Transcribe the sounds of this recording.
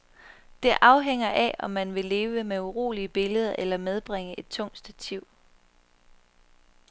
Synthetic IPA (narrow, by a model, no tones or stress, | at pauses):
d̥e̝ʔɑ̈ʊɦeŋ̰ɐʔæɒ̽mːænʋe̝le̝ːʋəmeuʁo̝̰ːliəb̥e̝ləð̞ˠɐʔelɐmeð̞ˠb̥ʁeŋəʔe̝d̥̚t͡sʰɔ̽ŋ̰d̥sd̥æt͡sʰiʊ̰